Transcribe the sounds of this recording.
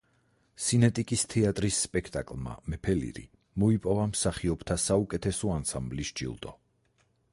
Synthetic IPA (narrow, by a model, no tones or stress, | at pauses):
sinɛt̪ʼikʼist̪ʰɛat̪ʼɾisːpʼɛkʰt̪ʼakʼlˠma̰mɛpʰɛlḭɾḭ | mɔipʼɔvamsaχiɔbt̪ʰasaukʼɛt̪ʰɛsɔansamblisd͡ʒḭlˠd̪ʼɔ